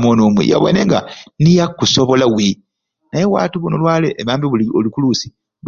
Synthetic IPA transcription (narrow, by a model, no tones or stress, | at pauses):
monomwḭja̰βo̰neŋɡa̰nijakːusoβo̞lawi | najewa̰ːtuβunolwaːleʔːmaːmbiβuolikulusi̥